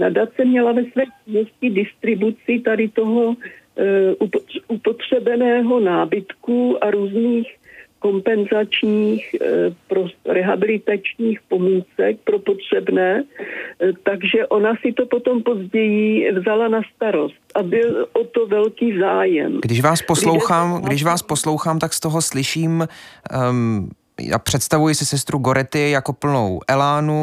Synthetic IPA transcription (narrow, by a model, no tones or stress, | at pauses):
nadat̪t͡sɛmɲɛlavɛsvɛːt͡ʃɪnoscɪdɪst̪ɾɪbut͡sɪt̪adɪt̪o̞ɦo̞ | ʔuupo̞t̪r̝̥ɛbɛnɛːɦo̞naːbɪt̪kuːʔaɾuːzniːxko̞mpɛnzat͡ʃɲiːxpɾoɾɛɦabɪlɪt̪at͡ʃɲiːxpo̞mit͡sɛk̚pɾo̞pot̪r̝̥ɛbnɛː | t̪aɡʒɛʔo̞nasɪt̪o̞pot̪o̞mpo̞zɟɛjɪvzalanast̪aɾost̪ʔabɪlʔot̪ovɛlkiːzaːjɛ̰mɡdɪʃvaːspo̞sslowxaːmɡdɪʃvaːsposlo̞wxaːmt̪akst̪oɦoslɪʃiːm | a̰pr̝̥ɛt̪st̪avujɪsɪsɛst̪ɾuɡo̞ɾɛt̪ɪjako̞pl̩no̰wʔɛlaːnu